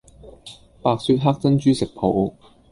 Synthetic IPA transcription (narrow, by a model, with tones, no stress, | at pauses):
paː˨˧k̚syː˧˥t̚ɦaː˥k̚t͡sɐ˥nt͡ʃyː˥sɪ˨k̚pʰo˨˥w